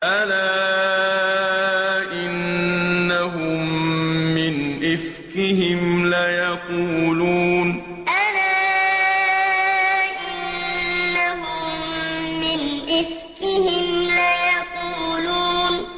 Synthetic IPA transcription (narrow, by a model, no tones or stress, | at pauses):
ʔalaː | ʔɪnː | aɦʊmː | ɪnʔɪf | kɪɦɪmlajaquːluːn | ʔalaː | ʔɪnː | aɦʊmmɪnʔɪf | kɪhɪmlajaquːluːn